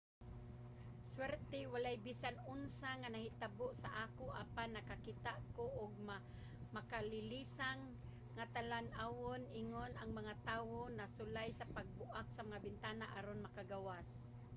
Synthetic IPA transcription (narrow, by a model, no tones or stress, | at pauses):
swɛɾt̪ɛwalajbisanʊnsaŋanahɪt̪aboʔsaʔakoʔa̰panːakakit̪aʔkoʔʊɡ̚m | makalɪlisaŋː | at̪alanʔawonʔɪŋonaŋmaŋat̪aːwonasʊlajsapaɡ̚bʊʔaksamaŋabɪnt̪aːnaʔaɾonmakaɡawas